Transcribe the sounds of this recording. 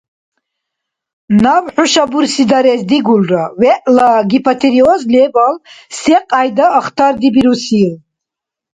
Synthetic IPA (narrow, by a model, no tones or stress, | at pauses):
nawħuʃabuɾsid̪aɾɛzd̪iɡulrawɛʔlaɡipʰat̪ʰɛɾiɔzlɛbalsɛqʼajd̪aːχt̪ʰaɾd̪ibiɾusil